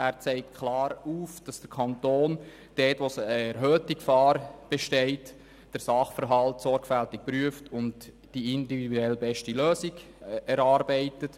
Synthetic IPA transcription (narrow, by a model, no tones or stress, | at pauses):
ʔæːɾt͡sɛɪk̚tkʰlɑːɾuːfd̥ɑsd̥əɾkʰɑntoːn | d̥ɛːtʋosəɛɾɦøːtikfɑːɾb̥ɛʃtɛɪt | d̥əɾsɑχfəɾɦɑltsɔɾɡfæltɪk̚pɾyəftʊnd | d̥iɪndividuɛlbɛʃtiløːsiɡ | ɛɾɑːɾbɛɪtət